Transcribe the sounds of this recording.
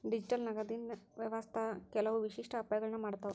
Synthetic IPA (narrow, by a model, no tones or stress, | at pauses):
ɖid͡ʑiʈəlnaɡad̪iːnʋjəʋast̪ʰakɛlaʋʋiɕiʂʈʰəːpajɡəɭɳamaɽt̪a